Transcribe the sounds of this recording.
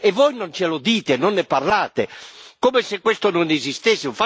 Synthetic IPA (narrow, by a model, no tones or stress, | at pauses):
ɛvɔjnont͡ʃelod̪iːt̪enɔnːɛparlaːt̪ekomɛsɛkːwest̪ononɛzist̪esːɪufa